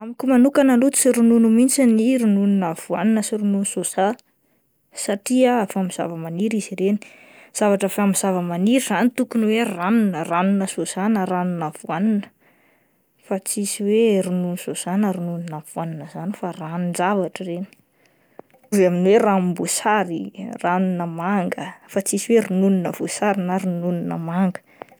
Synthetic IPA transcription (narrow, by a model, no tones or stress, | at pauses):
amikumanukanalut͡siɾununumint͡siniɾunununav̥ua̰ninəsiɾununusosa | saʈ͡ʂiafamiz̥a̰vəmaniɾiziɾeni̥ | z̥avaʈ͡ʂafamiz̥avəmaniɾiz̥anit̪ukunweranunəranunəsosanaɾanunav̥uaninə̥ | fat͡sisiwerununisoz̥anəɾununinav̥uaninəzanifaranind͡zavaʈ͡ʂəreni̥ | uzaminweɾambusaɾiranunəmaŋɡəfat͡sisiweɾununinəv̥usaɾinaɾununinə̰maŋɡə̥